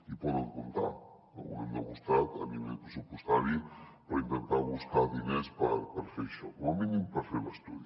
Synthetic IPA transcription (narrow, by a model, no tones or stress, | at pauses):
ipɔðəŋkunt̪a̰kə̰ṵɛmd̪əɣust̪at̪ə̰niβɛjpɾəsupust̪aɾipəɾint̪ənt̪aβuskaðinespəɾpəɾfeɾʃɔuəminimpəɾfeɾləst̪uði